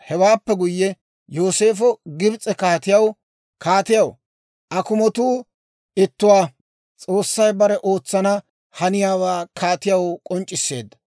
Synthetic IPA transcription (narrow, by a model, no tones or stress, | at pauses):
hɛwaːpːɛɡʊjːɛ | jo̞ːse̞ːfɔɡɪbt͡sʼɛkaːt̪ɪjɐw | kʰaːt̪ɪjɐw | ʔɐkʊmɔt̪uː | ɪt̪ːʊwaː | t͡sʼo̞ːsːɐjbɐɾɛʔo̞ːt͡sːɐnɐ | hɐnɪjaːwaːkʰaːt̪ɪjɐwkʼɔnt͡ʃʼːɪsːe̞ːd̪ːɐ̥